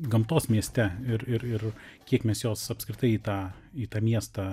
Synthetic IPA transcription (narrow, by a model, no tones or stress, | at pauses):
ɡɐmt̪oːsmʲiɛsʲt̪ʲɛɪɾɪɾɪrkʲiɛkmʲɛsjoːsɐpskɾʲɪt̪ɐɪiːt̪ɑː | iːt̪ɑːmʲiɛst̪ɑ